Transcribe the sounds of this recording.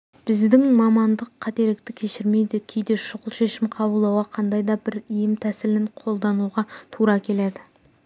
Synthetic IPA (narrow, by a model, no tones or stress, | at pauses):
b̥ɪzd̪ɪŋmɑmɑnd̪əqʰːɑt̪e̞lɪk̚t̪ɪkʲʰe̞ʃɪɾme̞jd̪ekʲʰejd̪e̞ʃʊʁəlˠʃe̞ʃɪmqʰɑbəlˠd̪ɑwɑqʰɑnd̪ɑjd̪ɑbɪɾijɪmt̪ʰæsɪlɪɴqʰo̞lˠd̪ɑnuʁɑt̪ʰuɾɑkʲʰe̞led̪ɪ